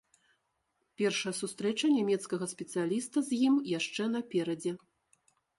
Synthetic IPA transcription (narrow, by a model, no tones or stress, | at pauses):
pʲɛrʂɐjɐsust̪ɾɛt͡ʂɐnʲamʲɛt̪skɐɣɐsʲpʲɛt̪sɨjalʲist̪ɐzʲjimjaʂt͡ʂɛn̪ɐpʲɛɾɐd͡zʲɛ